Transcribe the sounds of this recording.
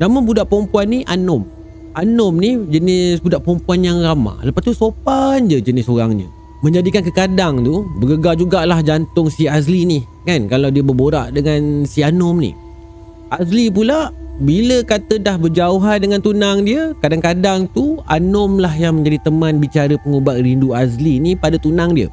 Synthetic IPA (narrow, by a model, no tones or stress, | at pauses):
naməbudaʔpɔmpuanːiʔanʊm | ʔanʊmnid͡ʒənɪsbudaʔpɔmpuanjaŋrama̰ləpat̪usopand͡ʒəd͡ʒənɪsoɾa̰ŋɲə̰ | mə̃ɲd͡ʒadikank̬əkadaŋt̪ubəɡəɡad͡ʒuɡaʔlahd͡ʒant̪ʊŋsias̬lini | kankalawdiəbərboɾaʔdəŋansianɔmnḭ | ʔaslip̬ulabiləkat̪ədahbərd͡ʒauɦandəŋant̪unaŋdiəkadaŋkadaŋt̪ua̰nʊmlahjaŋmə̃ɲd͡ʒadit̪əmãnbit͡ʃaɾəpəŋubaʔ̪̚rinduaslinipadat̪unaŋdiə̰